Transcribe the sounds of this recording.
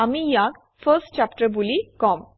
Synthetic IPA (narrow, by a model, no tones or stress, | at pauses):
amijãɡ | fəɾsʈt͡ɕapʈəbulikɔm